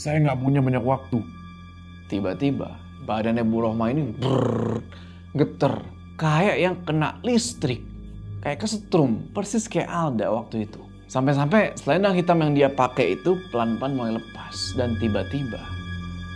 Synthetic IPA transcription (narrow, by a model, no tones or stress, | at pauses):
sajaŋɡaʔpuɲabaɲakwak̚t̪u | t̪ibat̪iba̰ | badanebuɾɔhmainibər | ɡət̪ər | kajaʔjaŋkəna̰ʔlist̪ɾɪk̚ː | ajaʔkasət̪ɾʊmpərsiskaaʔalda̰wak̚t̪uit̪u | sampɛs̬ampɛsəlaindŋhit̪amjaŋdiapakɛit̪upəlanpanmailəpasdant̪ibat̪iba̰